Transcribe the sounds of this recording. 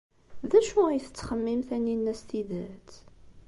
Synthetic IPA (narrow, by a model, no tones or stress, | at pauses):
ðæʃuæjθə̥t͡sːχəmːimθænːinːæst̪iðæt͡s